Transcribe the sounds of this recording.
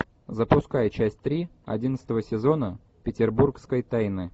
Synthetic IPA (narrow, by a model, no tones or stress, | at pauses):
zəpʊskajət͡ɕæsʲt̚ʲt̪ɾʲiɐ̰dʲint̪sət̪əvəsʲɪzo̞nə | pʲɪtʲɪrburkskəjt̪ajnɨ